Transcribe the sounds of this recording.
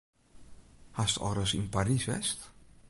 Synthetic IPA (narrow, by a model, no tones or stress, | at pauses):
hastɔ̰ɾəsinparisʋɛ̰st